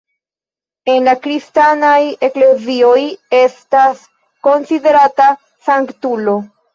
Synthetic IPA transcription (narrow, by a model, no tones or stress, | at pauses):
e̞nlakɾistanaje̞kle̞zio̞je̞stas | ko̞nside̞ɾata | saŋktulo̞